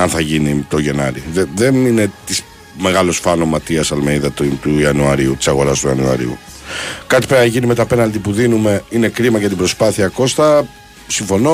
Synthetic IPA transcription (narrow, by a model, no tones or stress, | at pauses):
ɐnθɐʝinit̪o̞ʝe̞nɐɾiðeðe̞nine̞t̪is | me̞ɣɐlo̞sfɐno̞mɐt̪iɐsɐlmeniðɐt̪t̪uiɐnuɐɾiut̪i̥sɐɣo̞ɾɐst̪uɐnuɐ̰ɾḭṵ | kɐt̪i̥peɾɐʝinime̞t̪ɐpe̞nɐld̪ipuðinume̞ine̞kɾimɐʝɐt̪ibɾo̞spɐθiɐko̞st̪ɐ | siɱfo̞no